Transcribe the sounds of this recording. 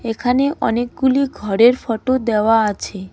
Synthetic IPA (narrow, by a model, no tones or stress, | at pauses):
ekʰaneʔɔ̰nek̚ɡuliɡʱɔɾeɾfɔʈod̪eoaat͡ɕʰe